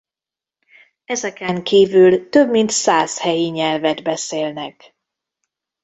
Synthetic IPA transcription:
ɛzɛkɛŋkiːvylt̪øbmint̪saːshɛjiɲɛlvɛd̪bɛseːlnɛk

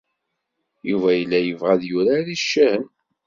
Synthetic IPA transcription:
juvæjəlːæjəvʁæðjʊɾaɾiʃːæhən

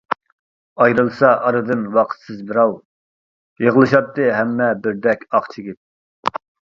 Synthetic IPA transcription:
ɑjɾɨlˠsɑʔɑɾɨd̪ɨnwɑqʰt̪sɨzbɪɾɑw | jeʁlˠɨʃɑt̪ːɨɦɛmːɛbɪɾd̪ɛkʲɑqt͡ʃʰɪɡʲip̚

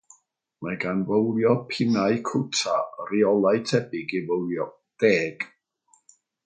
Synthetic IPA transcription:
maɡanvəwljɔpʰɪnaɨkʰʊtʰariɔlˠajtʰɛbɪɡivəwljɔ | d̥eːɡ̥

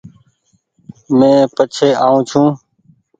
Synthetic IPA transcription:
mẽːpət͡ʃʰeːʔaːũːt͡ʃʰũː

